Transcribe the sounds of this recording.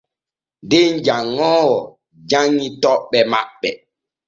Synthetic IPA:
deɲd͡ʒaŋːɔːwɔ | d͡ʒaŋːitɔɓɛmaɓːɛ

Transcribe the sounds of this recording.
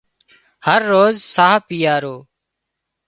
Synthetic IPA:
həɾːoːzsaːpiːjaːɾoː

